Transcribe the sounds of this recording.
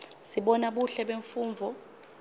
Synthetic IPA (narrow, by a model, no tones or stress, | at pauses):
siɓɔnaɓuɬɛɓeɱfuːɱvʱɔ